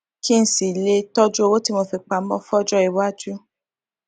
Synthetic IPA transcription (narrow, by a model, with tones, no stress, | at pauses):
ki˦n̩˨si˨le˧tɔ˦d͡ʒo˦˧wo˦ti˦mo˧fi˧k͡pa˧˨m̩˦bɔ̃˦fɔ˦d͡ʒɔ˦i˨wa˦d͡ʒu˦